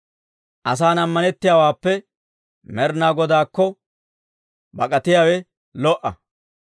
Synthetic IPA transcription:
ʔɐs̬aːnɐmːɐnɛt̪ːɪjaːwaːpːɛ | mɛɾnaːɡɔd̪aːkːɔ | bɐkʼɐt̪ɪjaːwɛ | lɔʔɐ̰

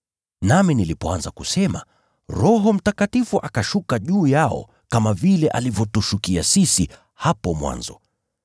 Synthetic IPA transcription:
naminilipɔanzakusɛma̰ | ɾɔɦɔm̩takatifuʔakaʃukaʄuːjaɔ̰ | kamavilɛʔa̰livjɔtuʃukiasisi | hapɔmwa̰nzɔ̰

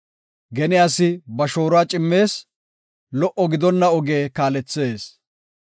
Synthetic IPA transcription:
ɡɛnɪasɪbɐʃo̞ːɾʊaːt͡ʃʼɪmːe̞ːs | lɔʔɔɡɪd̪ɔnːɐɔɡeːkaːlɛt͡sːe̞ːs

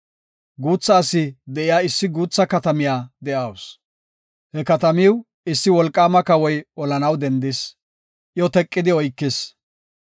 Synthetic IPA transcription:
ɡuːt͡sːɐːsːɪd̪ɛʔɪjaːɪsːɪɡuːt͡sːɐkɐt̪ɐmɪjaːd̪ɛʔɐws | hɛkɐt̪ɐmɪw | ɪsːɪwɔlkʼːaːmɐkɐwɔjɔlɐnɐwd̪ɛnd̪ɪs | ʔjɔt̪ɛkʼːɪd̪ɪɔjkːɪs

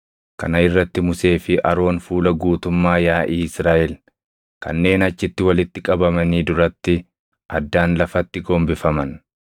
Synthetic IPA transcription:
kɐ̰nɐɪrːɐt̪ːɪmʊse̞ːfɪʔɐ̰ɾo̞ːnfuːlɐɡuːt̪ʊmːaːjaːʔiːɪsɾaːʔɛl | kɐ̰nːe̞ːnɐt͡ʃːɪt̪ːɪwɐlɪt̪ːɪkʼɐbɐmɐniːd̪ʊɾɐt̪ːɪ | ʔɐd̪ːaːnlɐfɐt̪ːɪɡoːmbɪfɐmɐn

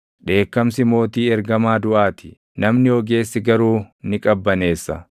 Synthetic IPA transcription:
ᶑe̞ːkːɐmsɪmo̞ːt̪iːɛɾɡɐmaːd̪ʊʔaːt̪ʰɪ̥ | nɐmnɪɔɡe̞ːsːɪɡɐɾuːnɪkʼɐbːɐne̞ːsːɐ

